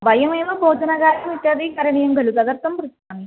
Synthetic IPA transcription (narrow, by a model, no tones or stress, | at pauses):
bɐjɐmeːmɐbʱoːd͡ʑɐnɐɣaːɾɐmiʈːɐːd̪ikɐɾɐɳijɐŋɡɐlut̪ɐðɐrt̪ːɐmprɨsaːɳi